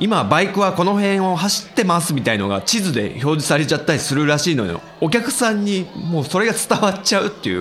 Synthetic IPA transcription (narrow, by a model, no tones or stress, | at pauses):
imabaikɯ̟βako̞no̞ɦẽ̞ɰ̃o̞ɦaɕi̥t̪ːe̞masɨmʲit̪aino̞̰ɡa̰t͡ɕizɨd̪e̞̰ço̞ːd͡ʑisaɾe̞t͡ɕat̪ːaɾʲisɨɾɯ̟ɾaɕiːnod̪ḛ | o̞k̬ʲakɯ̟̥sãɲ̟ːimo̞ːso̞ɾe̞ɡat͡sɨ̥t̪aβat͡ɕaɯ̟t̪ːe̞ɯ̰